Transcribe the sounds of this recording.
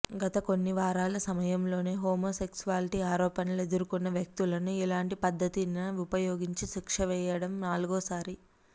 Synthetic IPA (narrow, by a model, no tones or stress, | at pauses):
ɡɐt̪ɐko̞nːiʋaːɾaːlɐsɐmɐjɐmlo̞ːne̞ːɦoːmoːse̞ksuʋaːliʈiaːɾɔːpɐnɐle̞d̪uɾukunːɐʋjɐk̚t̪ulɐnuilaːɳʈipɐd̪ʱːɐt̪inɐupɐjoːɡiɲt͡ʃiʃikʂɐʋɛːjɐɽɐmnaːluɡoːsaːɾi